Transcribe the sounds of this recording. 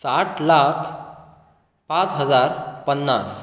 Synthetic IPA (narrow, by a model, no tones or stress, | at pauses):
saʈlakʰ | pãt͡sɦəd͡zaɾpənːas